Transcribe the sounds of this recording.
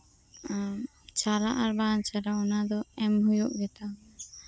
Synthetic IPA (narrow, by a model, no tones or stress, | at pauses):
t͡ʃaɾaʔaɾbant͡ʃʰaɾaɔnad̪ɔɛmɦujuʔɡɛt̪a